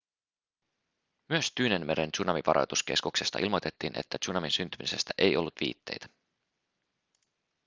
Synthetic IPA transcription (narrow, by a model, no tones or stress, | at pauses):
myøst̪yːnenme̞ɾent͡ʃunɑmiʋɑɾo̰jt̪uske̞̰skukse̞st̪ɑ̰ʔilmo̞jt̪et̪ːiːnʔe̞̰t̪ːætt͡ʃunɑminsynt̪ymise̞st̪æʔejo̞lːut̪ʋḭːt̪ːe̞̰jt̪æ̥